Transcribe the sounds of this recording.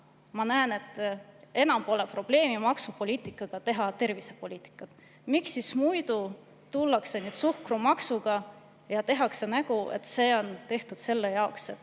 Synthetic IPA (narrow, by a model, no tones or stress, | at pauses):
mɑnæene̞t̪ːˑe̞nɑmpo̞le̞pro̞b̥le̞ːmimɑksupo̞lʲiːt̪ˑikːˑɑɡ̥ɑt̪e̞ɦɑt̪e̞rvise̞po̞lʲiːt̪ːˑi̥kːˑɑt̪ˑ | miksːismujd̪̥u | t̪ulːɑkse̞nyːd̪̥suhkrumɑksuɡ̥ɑ | jɑt̪e̞ɦɑkse̞næɡuḛt̪ːˑse̞ːo̞nt̪e̞ht̪ud̪̥se̞lːejɑokset̪ː